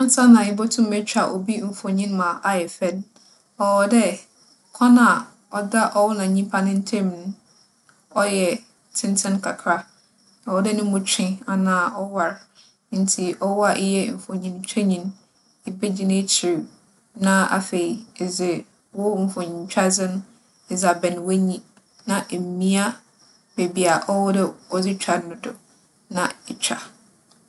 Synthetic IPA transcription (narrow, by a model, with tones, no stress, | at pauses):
ã˦sa˦nã˨ɪ˦bɔ˦tʰʊ̃˦m˦ɛ˦t͡ɕᶣa˨ʔo˨bi˦m̩˨fo˨ɲĩ˦n˦mã˨ʔa˨jɛ˨fɛ˦n | ɔ˨wɔ˨dɛ˦ | kʰɔ̃˦nã˨ | ɔ˦da˦ʔɔ˦wɔ˦nã˨ɲĩ˦pʰa˦nɪ̃˦n̩˦tʰẽ˦m˨nʊ̃˦ | ɔ˦jɛ˨ | tʰɪ̃˦n˦tʰɪ̃˦nkʰa˨kʰɾa˦ | ɔ˨ɔ˨dɛ˦nʊ̃˦mũ˦t͡ɕᶣɪ̃˦a˨nãː˨ʔɔ˦wa˨ɾ | n̩˦tʰi˨ʔɔ˦wɔ˦a˨ʔɪ˦jɛ˦m̩˨fɔ̃˨ɲĩ˨n˨˦t͡ɕᶣa˦ɲĩ˨n | ɪ˨be˦d͡ʑi˦nẽ˦t͡ɕʰi˨ɾ | nã˦a̰˨fe˨i˨zɪ˨ | wʊ˦m̩˨fɔ̃˨ɲĩ˨ɲ˨˦t͡ɕᶣa˦d͡zɪ˦nʊ̃˦ | ɪ˨za˨bɛ˨n˨we˦ɲĩ˦ | nã˨ʔm˨mĩ˦a˦ | be˨bi˨a˨ʔɔ˦wɔ˦dɛ˦ɔ˨d͡zɪ˦t͡ɕᶣa˨˦nʊ̃˦dʊ˨ | nã˨ɛ˨t͡ɕᶣa̰˨